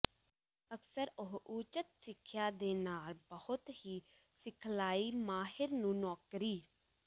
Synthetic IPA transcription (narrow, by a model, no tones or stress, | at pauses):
əksəɾʊɦut͡ʃət̪sɪkʰːjaːd̪eːnaːlbəhʊt̪hiː | sɪkʰlaːiːmaːɦɪɾnũːnɔːkɾiː